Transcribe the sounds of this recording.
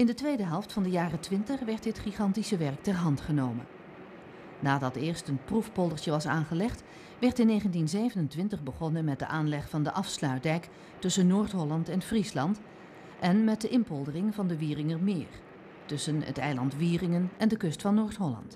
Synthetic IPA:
ɪndətʋejdəɦɛlˠftfɑndəjaːrətʋɪntəχʋɛɹt̚dɪtχiχɑntisəʋɛrk̚tɛɹɦɑntχənowmə̰n | naːdɑtɪːɹstənprufpɔlˠdəɹtəʋɑsaːnχəlɛχt | ʋɛɹtɪnːejχəntinzejvənəntʋɪntəχbəχɔnənmɛt̚dəʔaːnlɛχfɑndəʔɑfslœɥt̚dɛjk | tɵsənːoːɹtɦɔlɑntɛnfrislɑnt | ʔɛnmɛt̚dəʔɪmpɔlˠdərɪŋvɑndəʋiːrɪŋərmɪːr | tɵsənə̰tɛjlɑntʋiːrɪŋənɛndəkɵstfɑnːoːɹtɦɔlɑ̰nt

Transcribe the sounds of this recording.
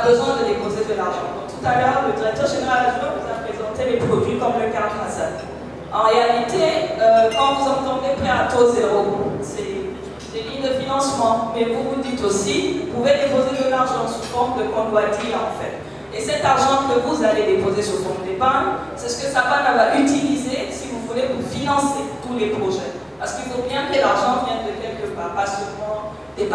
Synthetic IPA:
abəzwɛ̃d̪əd̪epozed̪əlaʁʒɑ̰̃ɔ̃t̪ut̪alœːʁləd̪iʁɛk̚t̪œʁʒeneʁalad̪ʁɛvuzapχezɑ̃t̪elepχɔd̪ɥikɔmləɡaʁd̪lasɛ | ɑ̃ʁealit̪eøkɑ̃vuzɑ̃t̪ɑ̃d̪epχɛat̪ozeʁosɛ | d̪eliɲd̪əfinɑ̃smɑ̃mɛvuvud̪it̪osiupuved̪epozed̪əlaʁʒɑ̃suʁfɔmd̪əkɔ̃lwat̪iʁɑ̃fɛ̰t̪ | esɛt̪aʁʒɑ̃kəvuzaled̪epozesulfɔ̃əd̪epan | sɛsə̥kəsapanavwaʁyt̪ilizesivuvulevufinɑ̃set̪ulepχɔʒɛ | paʁsə̥kilfobjɛ̃kəlaʁʒɑ̃vjɛ̃nd̪əkɛlkəpaʁpasəmɑ̃ | d̪ep

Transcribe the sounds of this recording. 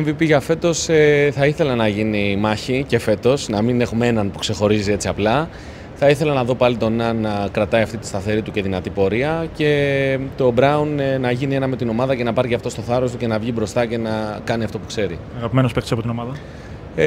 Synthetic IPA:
eɱvipiʝɐfe̞t̪o̞seθɐiθe̞lɐnɐʝinimɐçice̞fe̞t̪o̞snɐmine̞xumee̞nɐnpu̥kse̞xo̞ɾizie̞t͡siɐplɐ | θɐiθe̞lɐnɐðo̞pɐlit̪o̞nɐnɐkɾɐt̪ɐiɐft̪it̪i̥st̪ɐθe̞ɾit̪uce̞ðinɐt̪ipo̞ɾiɐce̞t̪o̞bɾɐunnɐʝinie̞nɐme̞t̪ino̞mɐðɐce̞nɐpɐɾʝiɐft̪o̞st̪o̞θɐɾo̞st̪uce̞nɐvʝibɾo̞st̪ɐce̞nɐkɐniɐft̪o̞pukse̞ɾi | ɐɣɐpimenospekt̪siɐpot̪ino̞mɐðɐ

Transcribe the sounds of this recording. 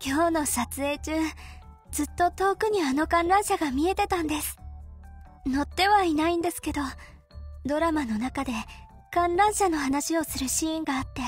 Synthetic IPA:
kʲo̞ːno̞sat͡sɨe̞ːt͡ɕɨː | d͡zɨt̪ːo̞t̪o̞ːkɯ̟ɲ̟iano̞kãnɾãɰ̃ɕaɡamʲie̞t̪e̞t̪ãnd̪e̞sɨ̥ | no̞t̪ːe̞βainaĩnd̪e̞sɨ̥ke̞d̪o̞ | d̪o̞ɾamano̞nakad̪e̞ | kãnɾãɰ̃ɕano̞ɦanaɕio̞sɨɾɯ̟ɕiẽŋɡaːt̪ːe̞

